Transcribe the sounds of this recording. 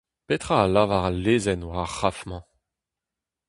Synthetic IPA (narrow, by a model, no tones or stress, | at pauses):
pet̪χaːlavaʁalːeːzɛnwaχafmɑ̃